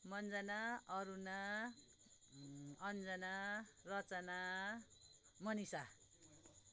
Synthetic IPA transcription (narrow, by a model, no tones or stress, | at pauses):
mʌnd͡zʌnaʌɾuna | ʌnd͡zʌnarʌt͡sʌna | mʌnisa